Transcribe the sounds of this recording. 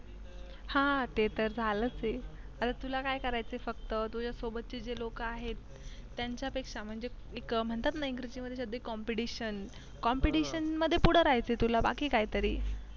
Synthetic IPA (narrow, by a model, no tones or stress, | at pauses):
hãt̪et̪əɾd͡zʱalət͡seat̪at̪ulakajkəɾajt͡sefəkt̪ət̪ud͡ʑjasobət̪̚ːt͡ɕed͡ʑelokəaɦet̪ː | jaɲt͡ɕjapekʂam̤əɳd͡ze | ekm̤əɳt̪at̪najiŋɡɾud͡ʑiːməd̪ʱːjeɕəd̪ʱəikɔmpiʈiɕən | kɔmpiʈiɕənməd̪ʱːjepuɽ̤əɾajt͡set̪ulaba̰kiːkajt̪əɾiː